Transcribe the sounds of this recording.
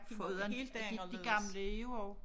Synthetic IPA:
fɔðˠɐnd̥iɡ̥ɑ̈mləeʊɒʊ

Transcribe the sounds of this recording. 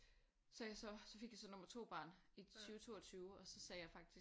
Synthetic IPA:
sɒjsɒ̽sɒ̽fe̝ɡ̥jɑ̈sɒ̽nɔ̽mɐt͡sʰo̝̰ːb̥ɑ̰̈ːnit͡sʰyːʊt͡sʰo̝̰ːɒt͡sʰyːʊɒ̽sɒ̽sɛːjɑ̈ɪfɑ̈ɡ̥̚d̥i

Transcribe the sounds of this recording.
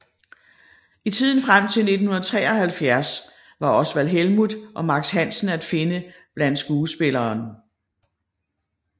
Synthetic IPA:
it͡sʰið̞̰ˠn̩fʁam̰t͡sʰe̝lne̝d̥n̩hu̝nɐð̩ˠt͡sʰʁɛ̰ːɒ̽hælfjæɐs | ʋɑ̈ɒ̽sʋælɦelmuðˠʔɒ̽mɑ̈ɡ̥shæn̰sn̩æd̥fe̝nə | b̥læn̰d̥sɡ̥uːsb̥e̝lɐːn

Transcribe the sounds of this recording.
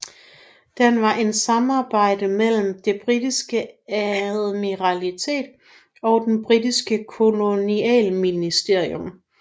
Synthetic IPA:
d̥enʋɑ̈ʔe̝nsɑ̈mɑ̈ːb̥ɑ̈ɪ̰d̥əmel̰m̩d̥e̝b̥ʁid̥isɡ̥əæðˠmiʁɑlit͡sʰe̝̰ːd̥ | ɒ̽ʊd̥enb̥ʁidisɡ̥əkʰo̝lo̝niɛ̰ːlminisd̥e̝ɐ̰iom

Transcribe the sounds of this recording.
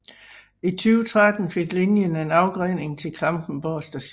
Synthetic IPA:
it͡sʰyːʊt͡sʰʁad̥n̩fe̝ɡ̥lenjəne̝nɑ̈ʊɡ̥ʁene̝ŋt͡sʰe̝lkʰɑmb̥n̩bɒsd̥æɕ

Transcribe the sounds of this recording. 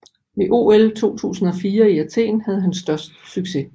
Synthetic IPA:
ʋe̝ʔo̝̰ːelt͡sʰo̝̰ːt͡sʰṵːsn̩ɒ̽fiːɐiæt͡sʰe̝̰ːnhæð̞̩ˠɦænsd̥ɶɐsd̥syɡ̥se̝

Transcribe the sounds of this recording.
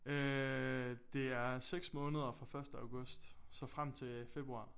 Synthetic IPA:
ø | d̥e̝æɐseɡ̥smɔ̽ːnəð̞ˠɐfʁɑ̈fɶɐsd̥əɑ̈ʊɡ̥ɔ̽sd̥sɒ̽fʁam̰t͡sʰe̝fe̝b̥ʁuɑ̰̈ː

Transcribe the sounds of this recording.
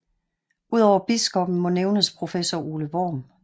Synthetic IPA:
uð̞̰ˠɒʊ̰ɐb̥isɡ̥ɔ̽b̥n̩mɒ̽neʊnəspʰʁo̝fesɒuːləʋɒ̰ːm

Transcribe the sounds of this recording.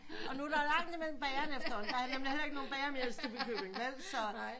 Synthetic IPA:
ɒ̽nuæɾɑ̈lɑ̈ŋ̰d̥imel̰m̩b̥ɛːɐnefd̥ɐhɒ̽n̩d̥ɑnemlihel̰ɐe̝ɡ̥̚no̝ːnb̥ɛːɐmeɐsd̥ib̥ekʰøb̥eŋmel̰sɒ̽nɑɪ̰

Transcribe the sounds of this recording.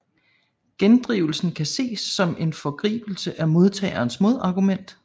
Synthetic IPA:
ɡ̥end̥ʁiʊl̩sn̩kʰæse̝̰ːsːɒ̽me̝nfɒ̽ɡ̥ʁḭːb̥l̩səʔæmo̝ð̞ˠt͡sʰɛ̰ɪɐːnsmo̝ð̞ˠɑ̈ɡ̥umen̰d̥

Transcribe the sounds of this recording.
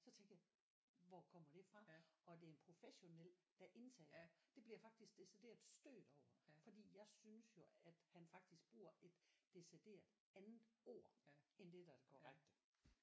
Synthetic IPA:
sɒ̽t͡sʰeŋɡ̥ɐja | ʋɒkʰɒ̽m̰ɐɾ̥e̝fʁɑ̈ɒ̽d̥e̝æɐenpʰʁo̝feɕo̝nel̰d̥æʔe̝nt͡sʰɛ̰ːɐd̥e̝b̥liɐfɑ̈ɡ̥̚d̥isɡ̥d̥e̝sid̥e̝ːɐd̥sd̥ø̰ːd̥ɒʊ̰ɐfɒ̽d̥ḭːjɑ̈ɪsynsjo̝æd̥hænfɑ̈ɡ̥̚d̥isɡ̥̚b̥uːɐe̝d̥ːe̝sid̥e̝̰ːɐd̥ | ænð̩ˠo̝ːɐ̰end̥e̝d̥æd̥eɡ̥ʰɒ̰ʁaɡ̥d̥ə

